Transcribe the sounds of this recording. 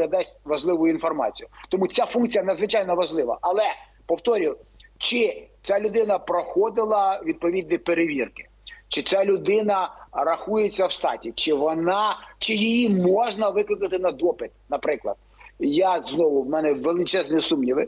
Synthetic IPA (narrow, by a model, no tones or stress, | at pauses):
ɐd̪ɛsʲtʲʋɐʒlˠɪʋʊjʊinfɔrmɑ̰t͡sʲijʊt̪ɔmut͡sʲafunkt͡sʲijɐnɐd̪zʋɪt͡ʃajnɔʋɐʒlˠɪʋɐ̰ʔɐlˠɛ | pɔwt̪ɔɾʲʊwt͡ʃɪt͡sʲalʲʊd̪ɪnɐpɾɔxɔd̪ɪlˠɐʋʲid̪̚pɔʋʲid̪ʲnʲipeɾeʋʲirkɪ̥ | t͡ʃɪt͡sʲalʲʊd̪ɪnɐɾɐxujet͡sʲːɐwʃt̪ɑ̰tʲit͡ʃɪʋɔnɑt͡ʃɪjɪjimɔʒnɐʋɪklˠɪkɐt̪ɪnɐd̪ɔpɪt̪̚nɐpɾɪklˠɐ̰d̪̥̚ | jaznɔʋʊwmɛnɛʋelˠɪt͡ʃɛznɪsumnʲiʋɪ